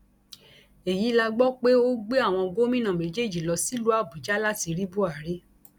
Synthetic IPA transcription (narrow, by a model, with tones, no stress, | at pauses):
e˨ji˨˦la˧ɡ͡bɔ˦k͡pe˦o˦ɡ͡be˦a˦˨w̃ɔ̃˧o˧ɡo˦mĩ˦nã˨mẽ˨˦d͡ʒe˦˨d͡ʒi˨lɔ˧si˦lu˦a˦˨bu˨d͡ʒa˦la˦ti˨˧ɾi˦bu˦a˦˨ɾi˦